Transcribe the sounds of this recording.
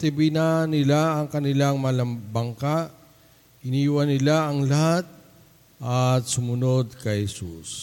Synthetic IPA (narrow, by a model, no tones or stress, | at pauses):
t̪ɪbinɐnɪlaɐŋkɐnɪlaŋmɐlɐmbɐŋkaʔ | ʔɪniːwɐnɪlaʔɐŋlɐhat̪̚ | ʔɐt̪̚sʊmʊnod̪̚kɐjhɛsṵs